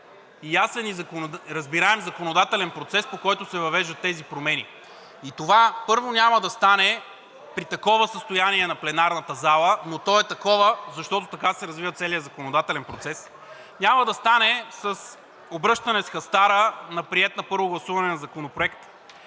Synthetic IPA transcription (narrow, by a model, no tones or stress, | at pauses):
ijasɛnizɐkoɾɐzbiɾaɛmzɐkonod̪at̪ɛlɛnpɾot̪sɛspokɔjt̪ʊsɛvɐvɛʒd̪ət̪ːɛzipɾomɛni | it̪ovapɤɾvonʲaməd̪ɐst̪anɛ | pɾit̪ɐkɔvəsəst̪ojaniɛnɐplɛnaɾnɐt̪əzalˠənot̪ɔɛt̪ɐkɔvəzɐʃt̪ɔt̪ot̪ɐkasɛɾɐzvivət̪sɛlijəzɐkonod̪at̪ɛlɛnpɾot̪sɛs | nʲaməd̪ɐst̪anɛsɐs | obɾɤʃt̪ɐnɛsxɐst̪aɾənɐpɾiɛt̪nɐpɤɾvoɡlˠɐsuvɐnɛnɐzɐkonopɾoɛkt̪